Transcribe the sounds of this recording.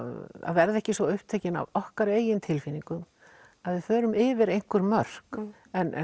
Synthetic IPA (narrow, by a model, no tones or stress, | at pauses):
a̰ðvɛɾðɛhcɪsvɔʏhpt̪ʰeːcɪna̰vɔhkaɾeːjɪnt̪ʰɪlfiniŋkʏm | aðvɪðfœːɾʏmɪːvɪɾejn̥kʏɾmœr̥k | ɛnʔɛ̰